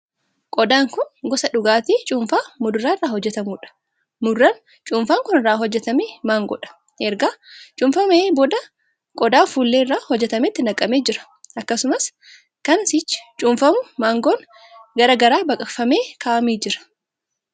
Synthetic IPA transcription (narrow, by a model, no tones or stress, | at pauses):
kʼɔd̪aːŋkʊnɡɔsɐᶑʊɡaːt̪iːt͡ʃʼʊmfaːmʊd̪ʊɾaːɪrːaːhɔd͡ʒːɛt̪ɐmuːᶑɐ̥ | mʊrːɐn | t͡ʃʼʊːɱfaːŋkʊnɪrːaːɦɔd͡ʒːɛt̪ɐmeːmaːŋɡɔ̰ᶑɐ̥ | ʔɛɾɡaːt͡ʃʼʊɱfɐmeːbod̪ɐ | kʼɔd̪aːfuːlːeːrːaːhɔd͡ʒːɛt̪ɐmɛt̪ːɪnɐkʼːɐmeːd͡ʒɪɾɐ̥ | ʔɐkːɐsʊmɐs | kɐnsɪt͡ʃːɪ̥t͡ʃʼʊːɱfɐmʊmaːŋɡoːn | ɡɐɾɐɡɐɾaːbɐkʼɐfɐmeːkʰaːɐmiːd͡ʒɪɾɐ̥